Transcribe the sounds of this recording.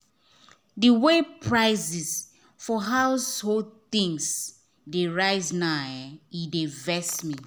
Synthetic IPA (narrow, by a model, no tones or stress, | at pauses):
dəwepʰɹaɪzis | fɔɦawshod̚θĩŋs | deɹaɪznajɛidevɛsmi